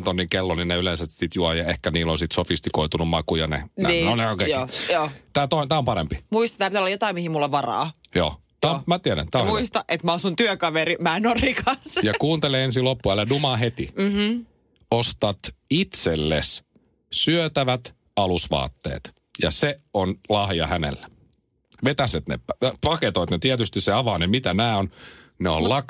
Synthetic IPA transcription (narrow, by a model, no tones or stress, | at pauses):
t̪onːiŋkelːoninneylensæt̪sit̪juɑjɑehkæniːlonsit̪sofist̪ikoit̪unummɑkujɑnḛnḛiːnoneokejjoːt̪æːt̪ot̪æːompɑɾempimuist̪ɑ̥t̪æːpit̪æolɑjot̪ɑimihimulːoʋʋɑrɑ̰ːjo̰ː | t̪æːomæt̪iɛɾæ̰nt̪æːõhmuist̪ɑʔet̪mæosunt̪yøkɑʋeɾimæːenorikɑnsjɑkuːnt̪eleens̬ilopːuælːædumɑːɦet̪ḭ | ost̪ɑt̪it̪selːḛs | syøt̪æʋæt̪ | ɑlusʋɑ̰ːt̪ːḛːt̪ | jɑ̰seonlɑhjɑ̰hænḛlːæ | ʋet̪æset̪nḛpɑket̪oit̪net̪iɛt̪yst̪isseɑʋɑːnemit̪ænæːonneo̰llɑk